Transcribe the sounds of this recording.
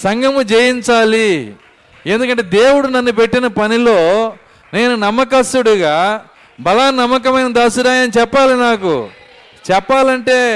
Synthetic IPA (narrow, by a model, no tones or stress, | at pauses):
sɐŋɡɐmud͡ʒejiɲt͡ʃaːli | e̞nd̪uk̬ɐɳʈeːd̪eːwuɽunɐnːupe̞ʈːinɐpɐnilo̞ː | ne̞ːnunɐmːɐk̬ɐsuɽuɡaː | bɐlaːnɐmːɐk̬ɐmɐjnɐd̪aːsuɾaːjɐnit͡ʃɛpːaːlinaːkṵ | t͡ʃɛpːaːlɐɳʈe̞ː